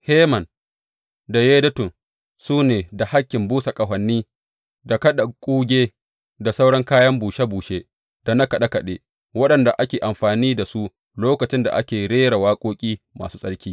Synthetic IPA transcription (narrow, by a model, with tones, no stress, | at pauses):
he˦mɐ˨n | da˨jeː˦dɐ˦tʊ˨n | suː˦neː˨da˨ha˦kʲːɪ˨mbuː˦sa˨kʼɐ˨ɦɐ˨nːiː˦ | da˨kɐ˦ɗa˨kʷʼuː˦ɡʲeː˦ | da˨sa˦wɽɐ˦ŋkaː˦jɐ˦mbuː˨ʃe˦buː˨ʃe˦ | da˨na˦kɐ˨ɗa˦kɐ˨ɗḛ˦ | wɐ˦ɗɐ˨nda˨ʔa˦kʲeː˨ʔa˨mɸaː˨niː˦da˨su˦ | loː˦kɐ˨t͡ʃɪ˦nda̰˨ʔa˦kʲeː˨ɽeː˦ɽa˨waː˦kʷʼoː˦kʲʼiː˦ma̰ː˨suː˦sʼɐ˦ɽkʲiː˦